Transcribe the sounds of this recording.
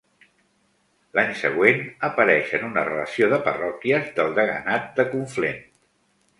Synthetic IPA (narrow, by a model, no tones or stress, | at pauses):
laɲsə̰ɣ̞wenəpəɾɛʃənunərələsioðəpərɔkiəzðəlˠd̪əɣə̰nat̪̚d̪əkuɱflen